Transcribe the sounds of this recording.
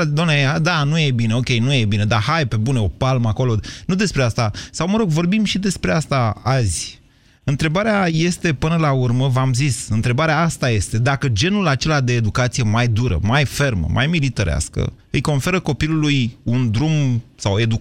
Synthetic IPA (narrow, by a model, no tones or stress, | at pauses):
d̪omnead̪anujebineo̞kʲe̞jnujebine̞d̪aɦajpe̞buneo̞palməako̞lo̞nud̪e̞spɾeast̪asawməɾo̞ɡvo̞rbimʃid̪e̞spɾe̞ast̪aazʲ | ɨnt̪ɾe̞baɾeaje̞st̪e̞pɨnəlaurməvamzisɨnt̪ɾe̞baɾeaast̪aje̞st̪e̞d̪akəd͡ʒe̞nulat͡ʃe̞lad̪e̞ːd̪ukat̪sije̞majd̪uɾə̰majfe̞rmə̰mʔa̰jmilit̪əɾea̰skə̰ | ɨjko̞nfe̞ɾəko̞pilulujund̪ɾumsawe̞d̪u